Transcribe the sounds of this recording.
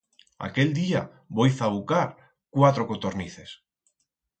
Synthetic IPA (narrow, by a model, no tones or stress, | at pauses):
a̰keld̪ia | bojθawkaɾ | kwat̪ɾokot̪oɾniθes